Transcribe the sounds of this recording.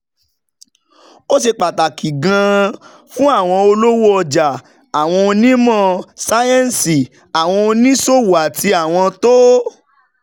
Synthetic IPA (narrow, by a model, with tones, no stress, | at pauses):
o˦ʃe˧k͡pa˨ta˨ki˨ɡã˧ | fũ˦a˦˨w̃ɔ̃˧o˧lo˦wo˦ɔ˧d͡ʒa˨ | a˨w̃ɔ̃˧o˧nĩ˦mɔ̃˦˨sa˦jɛ̃˦˨n̩˨si˨ | a˨w̃ɔ̃˧o˧nĩ˦so˦˨wu˨a˨tʰi˧˦a˦˨w̃ɔ̃˧to˦